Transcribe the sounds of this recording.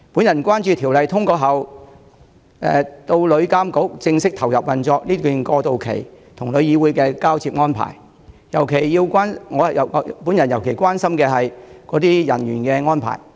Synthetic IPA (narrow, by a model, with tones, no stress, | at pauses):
pu˨˥njɐ˨˩nkʷaː˥nt͡ʃyː˧t̪ʰiː˨˩wlɐ˨jt̪ʰʊ˥ŋkɔː˧ɦɐ˨˩w | ɛ̰ː˨t̪o˧wlɵ˨˧ɥkaː˥mko˨˥k̚t͡sɪ˧ŋsɪ˥k̚t̪ʰɐ˨˩wjɐ˨p̚wɐ˨nt͡sɔː˧k̚liː˥kyː˨˩nkɔː˧t̪o˧wkʰḛ˨˩j | t̪ʰʊ˨˩ŋlɵ˨˧ɥjiː˧wuː˨˥jkɛː˧kaː˥wt͡sʰiː˧p̚ŋɔː˥npʰa̰ː˨˩j | jɐ˨˩wkʰe˨˩jːiː˧wkʷwaː˥nŋɔː˨˧hjɐ˨˩wpuː˨˥njɐ˨˩njɐ˨˩wkʰe˨˩jkʷwaː˥nsɐ˥mkɛː˧ɦɐ˨jkɔː˨˥t̪iː˥jɐ˨˩nɥyː˨˩nkɛː˧ŋɔː˥npʰa̰ː˨˩j